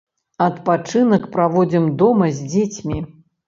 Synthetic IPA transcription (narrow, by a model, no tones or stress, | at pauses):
ɐt̪pat͡ʂɨnɐkpɾavɔd͡zʲimd̪ɔmɐzʲd͡zʲet͡sʲmʲi